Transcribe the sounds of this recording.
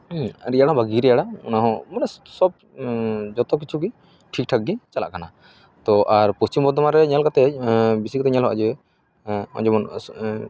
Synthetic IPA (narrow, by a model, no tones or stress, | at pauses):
ɾijaɽaɦɔ̃baɡiɾɛjaɽaɔ̰naɦɔ̃mɔnɛsɔb̚ | d͡ʒɔt̪ɔk̬it͡ʃʰuɡi | ʈʰik̚ʈʰak̚ɡit͡ʃala̰ʔkana | t̪ɔʔaɾpust͡ʃimbɔd̪ɔmaɾɛɲalkat̪ɛbisikat̪ɛɲalɦɔʔa̰d͡ʒɛ | ɔ̰d͡ʒɔmɔn